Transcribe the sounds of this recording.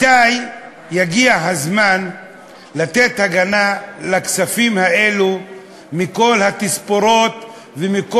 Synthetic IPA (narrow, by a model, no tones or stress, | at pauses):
aj | jaɡiaɦazman | lat̪et̪haɡanalaksafimhae̞lu | miko̞lhat̪ispo̞ɾo̞t̪ | vemiko